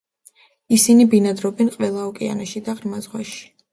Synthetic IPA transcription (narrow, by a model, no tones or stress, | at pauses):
isinibinad̪ɾɔbɛnqʼwɛlˠaɔkʼɛa̰naʃid̪aʁɾmazʁwaʃi̥